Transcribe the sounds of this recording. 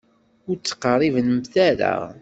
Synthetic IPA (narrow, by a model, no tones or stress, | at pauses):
ʊɾt͡sːə̥qərˤːivənəmθæɾa̰